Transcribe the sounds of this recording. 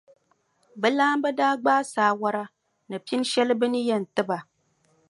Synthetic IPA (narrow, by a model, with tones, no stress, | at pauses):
bɛ˦laː˦mbɛ˦daː˦ɡ͡baː˦saː˨˦wa˦ɾa˦ | nɨ˨pi˦n˦ʃɛ˦lɨ˦bɨ˦nɨ˦jɛ˨n̩˨tɨ˦ba˨